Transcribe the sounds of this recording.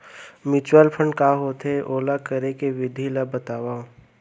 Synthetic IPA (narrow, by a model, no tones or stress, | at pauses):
mɪt͡ʃwaːlpʰə̃ɳɖkaːɦot̪eʔoːlakəɾekeʋɪd̪ʱilabːɐt̪aːwaːõ